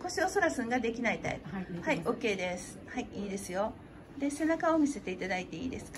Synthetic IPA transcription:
ko̞ɕio̞so̞ɾasɨ̃ŋɡad̪e̞kʲinait̪a̰ḭbɯhaiʔo̞kːe̞ːd̪esɨ̥haiiːd̪e̞sɨjo̞ | d̪e̞se̞nakao̞mʲise̞t̪e̞it̪ad̪ait̪e̞ḭːd̪e̞sɨ̥ka

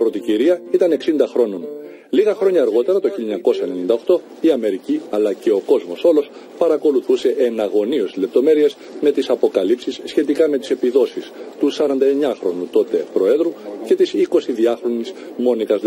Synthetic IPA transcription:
pɾo̞t̪iciɾiɐit̪ɐne̞ksind̪ɐxɾo̞no̞n | liɣɐxɾo̞ɲɐːɾɣo̞t̪e̞ɾɐt̪o̞çiʎɲɐko̞sɐenenind̪ɐo̞xt̪o̞ | iɐme̞ɾiciɐlɐce̞o̞ko̞zmo̞so̞lo̞s | pɐɾɐko̞luθuse̞ʔenɐɣo̞nio̞sizle̞p̚t̪o̞me̞ɾie̞z | me̞t̪isɐpo̞kɐlipsisːçe̞t̪ikɐme̞t̪i̥se̞piðo̞sist̪usɐɾɐnd̪ɐe̞ɲɐxɾo̞nut̪o̞t̪e̞pɾo̞e̞ðɾuce̞t̪isiko̞siðiɐxɾo̞nismo̞nikɐz

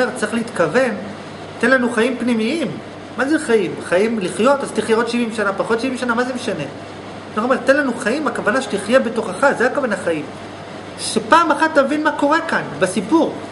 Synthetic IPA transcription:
eʁt͡sʁiχleit̪kave̞n | tenlanuχajimpnimiimː | azeχajimχajimliχjo̞tazt̪iχjeot̪ʃivimʃanapaχo̞tʃivimʃanamazemeʃane | maxomeʁt̪e̞nlanuχaimakavanaʃe̥tiχjebe̞to̞χaχazeakavanaχaim | ʃepaːmaχatːavinmako̞ʁe̞kanbesipuʁ

